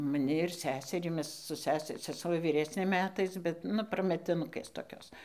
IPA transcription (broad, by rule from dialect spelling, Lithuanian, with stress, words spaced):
mɐˈnʲɪ ɪr ˈsʲæːsʲɛrʲiː ˈmʲɛs sʊ ˈsʲæːsʲɪ sʲɛˈsuɔ ʋʲiːˈrʲæːsʲnʲeː ˈmʲæːtɐɪs bʲɛt ˈnʊ prɐmʲɛtʲɪˈnʊkʲeːs toːˈkʲoːs